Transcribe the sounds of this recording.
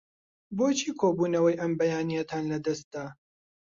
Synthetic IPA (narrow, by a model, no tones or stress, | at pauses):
boːt͡ʃʰiːkʰoːbuːnɐwɐjʔɐmbɐjaːnijɐt̪ʰaːnlɐd̪ɐst̪̚d̪aː